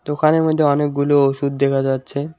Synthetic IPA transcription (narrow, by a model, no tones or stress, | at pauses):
t̪okʰaneɾmod̪ʱːeɔnek̚ɡulooʃud̪̚d̪ekʰad͡ʑatːɕʰe